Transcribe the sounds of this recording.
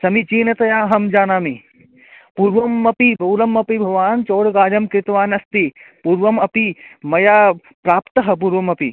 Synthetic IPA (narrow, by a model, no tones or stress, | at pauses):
sɐmit͡ʃiːnɐt̪ɐjaːɦɐmd͡ʒaːnaːmi | puːɾʋɐmːɐpibʱɐwlɐmɐpibʱɐʋaːnt͡ʃoːɽɡaːd͡ʒɐmkɾɪt̪ʋaːnɐst̪ipuːɾʋɐmɐpimɐjaː | pɾaːpt̪ɐɦɐ̆p̬uːɾʋɐmɐpḭ